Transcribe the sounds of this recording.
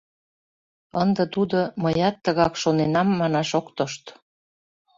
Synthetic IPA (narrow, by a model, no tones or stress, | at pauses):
ənd̪ə̆t̪ud̪oməjɑt̪ːəɣɑkʃonenɑmːɑnɑʃokt̪oʃt̪